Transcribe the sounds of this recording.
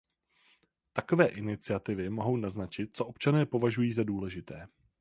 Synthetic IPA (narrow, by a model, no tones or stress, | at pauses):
t̪ako̞vɛːʔɪnɪt͡sɪat̪ɪvɪmo̞ɦo̞wnaznat͡ʃɪt̪̚t͡so̞ʔo̞pt͡ʃanɛːpo̞vaʒujiːzaduːlɛʒɪt̪ɛː